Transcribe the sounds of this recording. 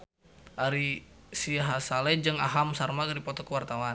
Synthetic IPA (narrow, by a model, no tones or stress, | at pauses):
ʔaɾisiɦasalɛd͡ʒəŋaɦamsarmakɾipɔt̪ɔkəwart̪awan